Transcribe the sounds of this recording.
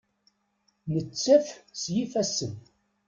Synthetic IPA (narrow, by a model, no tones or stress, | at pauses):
nət͡sːæfsjifæsən